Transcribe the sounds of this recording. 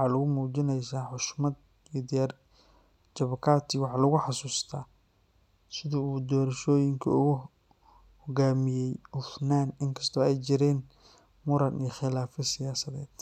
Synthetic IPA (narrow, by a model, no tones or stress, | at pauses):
wħɑːlʊɣʊmuːt͡ʃɪnɛjsaːħʊʃmɐd̪ | jd̪ɪjaːr | t͡ʃɐβɐkʰaːt̪ʰiwɑħɑlʊɣʊħɑsuːst̪ʰaː | sɪðɐuːd̪ɔːɾɐʃɔːjɪŋkʰɐ̰ʊɣʊ | hɔɣaːmɪjɛjʊfnaːnɪŋkʰɐ̥st̪ʰɔːɛjt͡ʃɪɾɛːn | mʊɾɐnijxɪlaːfɐsɪjaːsɐðɛːd̪̥